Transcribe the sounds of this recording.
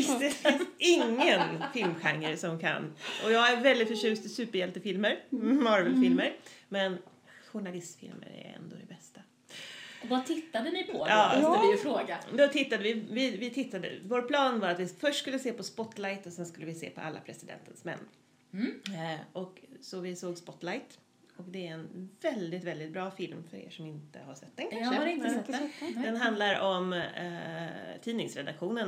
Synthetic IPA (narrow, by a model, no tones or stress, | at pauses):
d̪ɛfɪnsɪŋːənfɪlmɧaŋːəɾsɔmkʰa̰nːɔjɑːɡæɾvɛld̪ɪt̪fœʂʉ̟ːst̪ɪsʉ̟ːpəɾjɛlt̪əfɪlməɾmɑɾvɛlfɪlməɾmɛn | ɧʊɳalɪst̪fɪ̰lmə̰ɾæ̰ɾɛ̰nd̪o̰ːd̪ɛbɛst̪a | ɔvat̪ʰɪt̪ːad̪ənɪpʰɔɑːɪfɾoːɡad̪ɔt̪ʰɪt̪ːad̪əvɪvɪvɪt̪ʰɪt̪ːad̪ə̰voːɾpʰlɑːnvaɾat̪vɪfœʂʈːskɵlːəseːpɔspɔt̪lajt̪ɔsɛnskɵlːəvɪsḛːpʰɔ̰ʔa̰lːa̰pʰɾɛsɪd̪ɛ̰nt̪ʰənsmɛ̰nː | ʔɔksɔvɪsoːɡspɔt̪lajt̪ | ɔkd̪ɛæɾɛnvɛld̪ɪt̪vɛld̪ɪt̪̚bɾɑːfɪlmfœɾḛːʂɔmɪnt̪ə̰hasɛt̪ːɛnkʰanʂənɛd̪ɛnɦand̪laɾɔm | t̪ʰiːnɪŋsɾɛd̪akɧuːnən